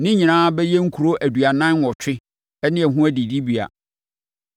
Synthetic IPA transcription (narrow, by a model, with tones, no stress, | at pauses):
nɪ̃˦ɲɪ̃˨ñãː˦bɛ˦jɛ˦ŋ̩˦kʰu˨ɾo˦ʔæ˨du˨a˨nã˦n˦wɔ˨t͡ɕʰᶣɪ˦ | ɛ˦nɪ̃˦ɛ˨ɦũ˦æ˦di˨di˦bi˨a̰˨